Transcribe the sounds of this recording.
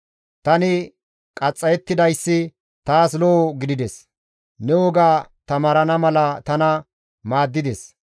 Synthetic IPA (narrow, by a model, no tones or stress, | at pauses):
t̪ɐnɪ | kʼɐt͡sʼːɐjɛt̪ːɪd̪ɐjsːɪ | t̪aːsloɡɪd̪ɪd̪ɛs | nɛwɔɡaːt̪ɐmaːɾɐnɐmɐlɐt̪ɐnɐ | maːd̪ːɪd̪ɛs